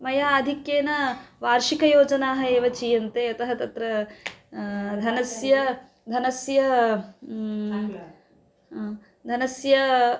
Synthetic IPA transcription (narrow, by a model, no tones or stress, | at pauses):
mɐjaːd̪ʱikjeːnɐʋaːɾʂikɐjoːd͡ʒɐnaːɦɐeːʋɐt͡ʃiːjɐnt̪eːɐt̪ɐɦɐt̪ɐt̪ɾɐ | d̪ʱɐnɐsjɐ | d̪ʱɐnɐsjɐ | d̪ʱɐnɐsjɐ